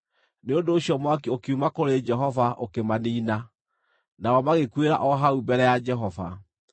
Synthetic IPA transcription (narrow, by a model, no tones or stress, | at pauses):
neondoːɕijɔmwakiokiumakoɾed͡ʒɛɦɔvaʔokemaniːna | naɔmaɣekweɾa̰ʔɔɦaubɛɾɛjad͡ʒɛɦɔva̰